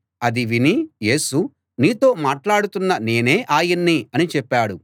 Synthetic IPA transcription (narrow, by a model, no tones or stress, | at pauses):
ɐd̪iʋinije̞ːsu | niːt̪o̞ːmaːʈlaːɽut̪unːɐne̞ːne̞ːʔaːjɐnːiɐnit͡ʃɛpːaːɽu